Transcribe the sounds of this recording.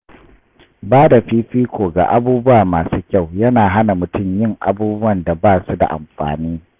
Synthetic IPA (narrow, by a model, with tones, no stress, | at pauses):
baː˦da˨ɸiː˦ɸiː˦kʷoː˨ɡa̰ː˨ʔa˦buː˦bʊ˦waː˨maː˨suː˦kʲa˦˨wjɐ˦naː˨ɦa˦na˨mʊ˨tʊ˦˨mjɪ˦˨ŋʔa̰˦buː˦bʊ˦wɐ˨nda˨baː˦˨su˦da̰˨ʔa̰˨mɸa̰ː˨niː˦